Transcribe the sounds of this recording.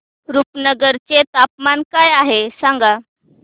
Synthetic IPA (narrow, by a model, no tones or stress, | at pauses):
ɾupnəɡəɾt͡set̪ap̚mankajaɦesaŋɡa